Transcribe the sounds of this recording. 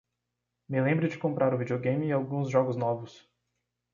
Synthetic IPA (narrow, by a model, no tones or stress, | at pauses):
mɪlẽmbɾɪd͡ʒɪkõmpɾʔaɾʊvid͡ʒioɡẽj̃mɪawɡũzʒɔɡʊznɔvʊs